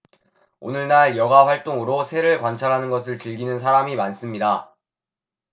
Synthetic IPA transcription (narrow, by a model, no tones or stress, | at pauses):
o̰nɯɭnaɾjʌɡaɸwaɭt͈oŋɯɾosʰe̞ɾɯɭkwant͡ɕʰaɾɦanɯnɡʌsʰɯɭt͡ɕɯɭɡinɯnsʰaɾamimans͈ɯmɲida